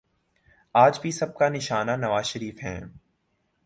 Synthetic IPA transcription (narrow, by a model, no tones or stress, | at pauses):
aːd͡ʒbʱisɐb̚kanɪʃaːnanɐʋaːzʃəɾiːfɦɛ̰̃ː